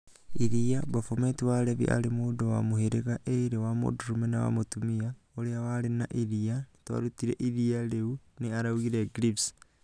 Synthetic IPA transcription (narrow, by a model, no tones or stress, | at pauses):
iɾiabofometiwaleβḭʔa̰lemudowa̰moheɾeɣaʔeiɾewamo̰duɾumenawa̰motumia | oɾeawaɾenaʔiɾianitwa̰ɾutiɾḛʔiɾialeuneaɾauɣiɾeɡɾips